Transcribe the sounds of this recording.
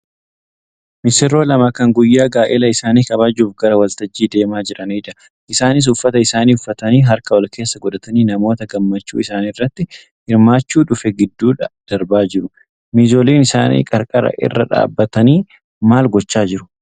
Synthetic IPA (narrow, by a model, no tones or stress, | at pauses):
mɪsɪɾo̞ːlɐmɐkɐŋɡʊjːaːɡaːʔɛlɐɪsaːniːkɐbaːd͡ʒuːfɡɐɾɐwɐlt̪ɐd͡ʒːiːd̪e̞ːmaːd͡ʒɪɾɐneːᶑ̪ɐ̥ | ʔɪsaːnɪs̬ʊfːɐt̪ɐɪsaːniːʊfːɐt̪ɐniːɦɐɾkɐwɐlkʰe̞ːsːɐɡɔᶑɐt̪ɐniːnɐmo̞ːt̪ɐɡɐmːɐt͡ʃːṵːɪsaːnirːɐt̪ːɪ | hɪɾmaːt͡ʃːuːᶑʊfɛɡɪd̪ːuːᶑɐd̪̥ɐɾbaːd͡ʒɪɾʊ | miːzo̞ːleːnɪsaːnḭːkʼɐɾkʼɐɾɐ̰ʔɪ̰rːɐ̰ᶑa̰ːbːɐt̪ɐniː | maːlɡɔt͡ʃːaːd͡ʒɪɾʊ̥